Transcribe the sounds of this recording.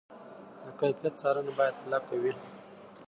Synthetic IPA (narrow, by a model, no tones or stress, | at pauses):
d̪əkat̪jat̪̚t͡sɑɾanabɑjad̪hlɑkawi